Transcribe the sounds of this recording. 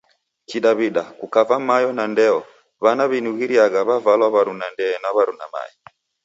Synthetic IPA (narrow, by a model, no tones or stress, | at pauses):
kiɗaβiɗakukavamajɔnandɛɔ | βanaβinuɣiɾiaɣaβavalwaβaɾunandɛːnaβaɾuna̰ma̰jɔ